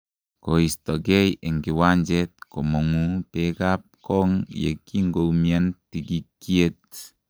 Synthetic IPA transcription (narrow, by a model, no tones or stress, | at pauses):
koistɔɡɛjeŋɡiwand͡ʒɛt̚kɔmɔŋupɛkap̚kɔŋjḛkiŋɡomiantiɡikːiet̚